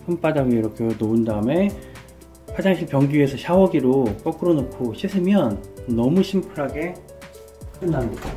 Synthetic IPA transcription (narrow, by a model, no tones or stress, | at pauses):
ɸɯmp͈adaɡiiɾʌkʰenoundaɯme̞ | pʰad͡ʑaŋɕʰimpjʌŋɡie̞sʰʌɕʰawʌɡiɾok͈ʌk͈ɯɾonokʰoɕʰisʰɯmjʌnːʌmuɕʰimpʰɯɾɦaɡe̞ | ɯnamɲida